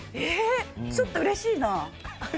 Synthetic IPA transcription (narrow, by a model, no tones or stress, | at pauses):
et͡ɕot̪ːoɯ̟ɾe̞ɕiːna